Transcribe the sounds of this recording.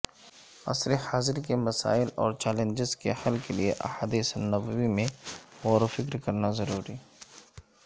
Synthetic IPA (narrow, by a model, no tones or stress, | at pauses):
ɐ̰sɾehaːzɪɾkemɐsa̰ːɪlɔːɾt͡ʃɛːlẽnd͡ʒɪzkehɐlkelieʔɐ̰ħaːd̪iːsnɐbəwimẽwoːɾfɪkɾkɐɾnazɐɾuːɾiː